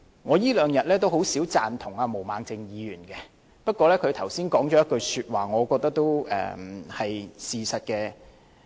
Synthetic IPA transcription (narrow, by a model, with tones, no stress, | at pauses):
ŋɔː˨˧jiː˥lœː˨˧ŋjɐ˨t̚lɛː˥t̪̬o˥who˨˥wsiː˨˥wt͡sa̰ː˧nt̪ʰʊ˨˩ŋaː˧mo˨˩wmaː˨˧ŋt͡sɪ˧ŋjiː˨˧jyː˨˩nkɛ˧ | pɐ˥t̚kʷɔː˧lɛː˥kʰɵ˨˧ɥt̪ʰɐ˨˩wsiː˥nkɔː˨˥ŋt͡ʃɔː˨˦jɐ˥tkɵ˧ɥsyː˧t̚waː˨ŋɔː˨˧kɔː˧k̚t̪ɐ˥k̚t̪o˥wɛ̰ː˨˩hɐ˨jsiː˨˩sɐ˨t̚kɛ˧